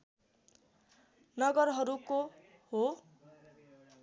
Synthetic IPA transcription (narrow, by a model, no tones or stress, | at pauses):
nʌɡʌɾɦʌɾuko | ho